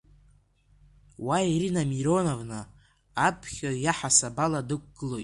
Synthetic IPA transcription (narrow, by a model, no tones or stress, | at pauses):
waiɾinamiɾo̞novnɨ | apʰχʲojaħasabaladɨk̚ʷʰʼɡ̥ɨlo̞jtʼ